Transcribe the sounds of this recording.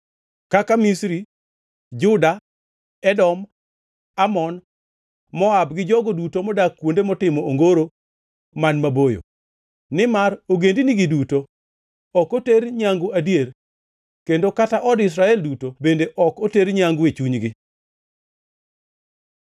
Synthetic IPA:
kakamisɾi | d͡ʒʊda | ɛdɔm | amɔn | mɔabɡɪd͡ʒɔɡodutomɔdakːwondemɔtɪmɔoŋɡoɾo | manmabojo̰ | nɪmaɾoɡendiniɡiduto | ɔkoteɾɲaŋɡoadjeɾ | kendokataʔɔdɪs̬ɾaɛldutobendeʔɔkoteɾɲaŋɡuet͡ʃuɲɡɪ

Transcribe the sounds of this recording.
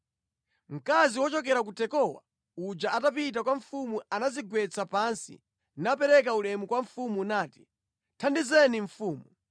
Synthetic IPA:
m̩kaziwɔt͡ʃɔk̬ɛɾakutɛkɔwa̰ | ud͡ʒaʔatapit̬akwaɱ̩fumuanaziɡwɛt͡sapansḭ | napɛɾɛk̬aulɛmukwaɱ̩fumunaːti̥ | tʰandizɛniɱfuːmu

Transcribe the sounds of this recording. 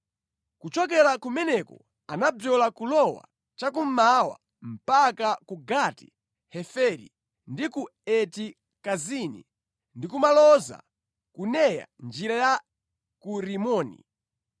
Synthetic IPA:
kut͡ʃɔkɛɾakumɛnɛkɔ̰ | anabjɔlakulɔwa̰ | t͡ʃak̬um̩mawa̰ | m̩pakakuɡati̥ | hɛfɛɾḭ | ndikuɛti | kazinḭ | ndikumalɔza̰ | kunɛja̰nd͡ʒiɾaja | kuɾimɔːnḭ

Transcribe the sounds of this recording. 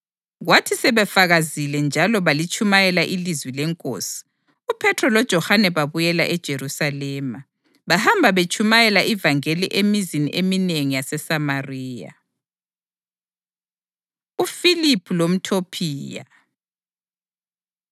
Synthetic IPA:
ɣwatʰisɛβɛfaɣazilɛnd͡ʒʱalɔβalit͡ʃʰʼumajɛlaʔilizwilɛŋkʼo̰ːsi̥ | upʰɛtʰrɔlɔd̥ʒ̥ʱɔhanɛβaβujɛla̰ʔɛd̥ʒ̥ʱeɾusalɛːma | βahambʱaβet͡ʃʰʼumajɛlaʔivaŋeliʔemiziniʔemineŋijasɛsamariːja̰ | ufilipʰulom̩tʰopʰiːja̰

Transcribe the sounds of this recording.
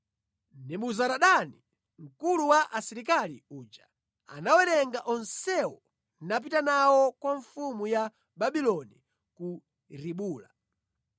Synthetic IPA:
ndɛmuzaɾaɗani | ŋ̩kuluwaʔasiɾikalḭuːd͡ʒa | a̰nawɛɾɛŋɡaʔɔnsɛwɔ | nap̬itanawɔkwaɱfumuja | ɓaɓilɔni | ku | ɾiɓuːla

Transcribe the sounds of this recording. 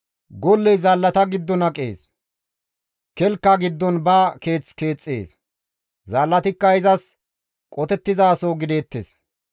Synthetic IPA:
ɡɔlːɛjzɐːlːɐt̪ɐɡɪd̪ːɔnɐkʼḛːs | kɛlkːaɡɪd̪ːɔnbaːke̞ːt͡ske̞ːt͡sʼːḛːs | zɐːlːɐt̪ɪkːɐɪzɐs | kʼɔt̪ɛt̪ːɪzaːsoːɡɪd̪e̞ːt̪ːḛs

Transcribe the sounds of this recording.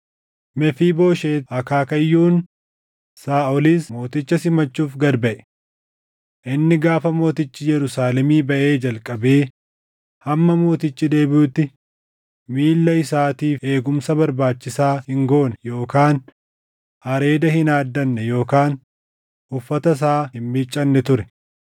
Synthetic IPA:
mɛfiːbo̞ːʃeːɐkaːkɐjːuːn | saːʔɔliːsmo̞ːt̪ɪt͡ʃːɐsɪmɐt͡ʃːuːfɡɐɾbɐʔɛ̥ | ʔɪnːɪɡaːfɐmo̞ːt̪ɪt͡ʃːɪjɛɾʊsaːlɛmiːbɐʔe̞ːd͡ʒɐlkʼɐbeː | hɐmːɐmo̞ːt̪ɪt͡ʃːɪd̪e̞ːbɪuːt̪ːɪ | miːlːɐɪsaːt̪iːfe̞ːɡʊmsɐbɐɾbaːt͡ʃːɪsaːhɪŋɡo̞ːnɛjo̞ːkaːn | hɐɾe̞ːd̪ɐhɪnaːd̪ːɐnːɛjo̞ːkaːn | ʔʊfːɐt̪ɐs̬aːhɪmmɪt͡ʃʼːɐnːɛt̪ʊɾɛ̥

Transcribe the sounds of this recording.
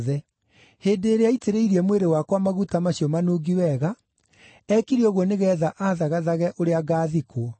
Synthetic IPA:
ðɛ | heːndeːɾeaiteɾeiɾiɛmweɾewakwamaɣutamaɕiɔmanoːɡiwɛɣa | ɛkiɾiɔɣwɔneɣɛðaʔaːðaɣaðaɣɛʔoɾeaɡaːðikwɔ

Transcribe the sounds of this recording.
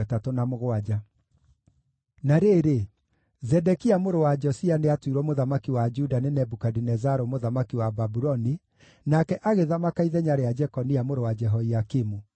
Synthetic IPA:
ɛtatɔnamoɣwad͡ʒa | naɾeɾe | zɛdɛkiamoɾowad͡ʒɔsianeatwiɾwɔmoðamakiwad͡ʒudanenɛbukadinɛzaɾomoðamakiwababuɾɔni | nakɛʔaɣeðamakaiðɛɲaɾead͡ʒɛkɔniamoɾowad͡ʒɛɦɔiakimu

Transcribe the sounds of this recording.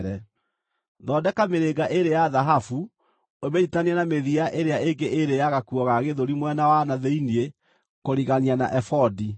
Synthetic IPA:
ɾɛ | ðɔdɛkameɾeɡaʔeɾejaðaɦafu | omeitaniɛnameðiaʔeɾeaeŋɡeʔeɾejaɣakuɔɣaɣeðoɾimwɛnawanaðeinie | koɾiɣaniana̰ʔɛfɔdi

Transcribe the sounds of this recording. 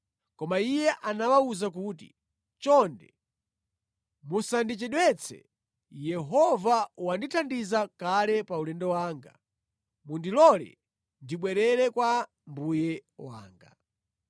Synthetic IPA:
kɔmaijɛʔanawauzak̬uːt̬ḭ | t͡ʃɔndɛ̰ | musandit͡ʃɛɗwɛt͡sʰɛ̰ | jɛɦɔvawanditʰandizakalɛpaulɛndɔwaːŋɡa̰ | mundilɔlɛ̰ | ndiɓwɛɾɛɾɛkwa | mbujɛwa̰ːŋɡa

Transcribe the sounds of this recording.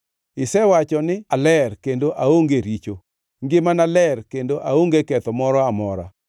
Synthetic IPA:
ɪsɛwat͡ʃɔnɪalɛrkendoʔaoŋɡeɾit͡ʃo | ŋɡɪmanalɛrkendoʔaoŋɡekɛt̪ɔmɔɾɔamɔɾa̰

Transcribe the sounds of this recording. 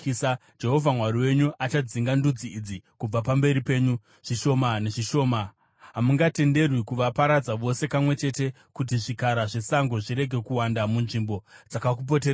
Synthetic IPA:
sa | d͡ʒe̞ɦo̞vʱamwaɾiwe̞ɲuʔat͡ʃad͡ziŋɡandud͡ziːd͡zikub͡vapambe̞ɾipe̞ːɲu | ʐ̥iʃo̞maneʐiʃo̞ːma | ɦamuŋɡate̞nde̞rwikuʋapaɾad͡zaʋo̞se̞kamwe̞t͡ʃe̞te̞ | kut̬iʐikaɾaʐe̞saŋɡo̞ʐiɾe̞ɡʱe̞kuwandamunʐimbo̞d͡zakakup̬o̞t̬e

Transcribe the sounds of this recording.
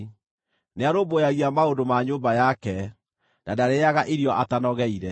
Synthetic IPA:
neaɾobojaɣiamaondomaɲoːmbajakɛ | d̥adaɾejaɣaʔiɾiɔʔatanɔɣɛiɾɛ

